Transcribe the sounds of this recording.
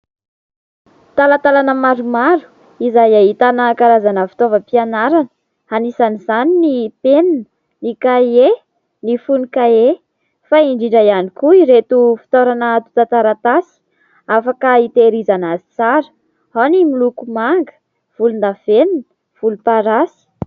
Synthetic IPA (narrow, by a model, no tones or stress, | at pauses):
t̪alat̪alanəmaɾumaɾu̥ | izajaɦit̪anəkaɾazanəfi̥t̪ovəpianaɾanə̥ | hanisanizaninipeninə | nikaje | nifunikae | faiɳɖ͡ʐiɳɖ͡ʐajanikuiɾet̪ufi̥t̪oɾanət̪u̥t̪at̪aɾat̪asi̥ | afakəit̪eɾizanazi̥t͡saɾə̥ | hanimilukumaŋɡə̥ | v̥ulund̪aveninə̥ | v̥ulupaɾasi̥